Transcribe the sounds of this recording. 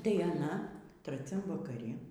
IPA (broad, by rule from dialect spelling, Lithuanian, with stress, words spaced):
tɐɪ ɐˈnɐ trɐˈt͡sʲɛm ʋɐkɐˈrʲɪ